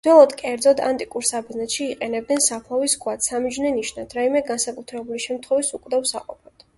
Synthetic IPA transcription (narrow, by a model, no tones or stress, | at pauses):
d̪̥wɛlˠɔd̪kʼɛɾd̪zɔd̪ant̪ʼikʼuɾsab̪znɛt̪ʃiːqʼɛnɛb̚d̪nɛnsapʰlˠaviskʰʼwat̪samid͡ʒnɛniʃnad̪ʰɾaimɛɡansakʼut̪ʰɾɛbuliʃɛmt̪ʰχwɔvisukʼd̪avsaqʼɔpʰɔd̪̥